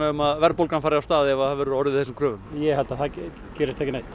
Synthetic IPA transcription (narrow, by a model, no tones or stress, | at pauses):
aʏmaðvɛɾpowlkanfaːɾɪawst̪aːðɛvaavɛːɾʏɾɔɾðɪθɛsɪmkʰɾœːvʏmjɛhɛlt̪aθa | cɛːɾɪst̪ʰɛkcɪnajht̪